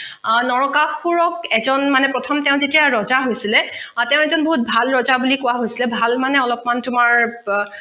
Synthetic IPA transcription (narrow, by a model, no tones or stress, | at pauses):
nɔɹɔkaxuɹɔkɛzɔnmanɛpɹɔtʰɔmtɛʊ̃zetijaɹɔzaɦojsilɛtɛʊ̃ɛzɔnboɦut̚bʱalɹɔzabulikʊwaɦojsilɛbʱalmanɛɔlɔpmantʊmaɹ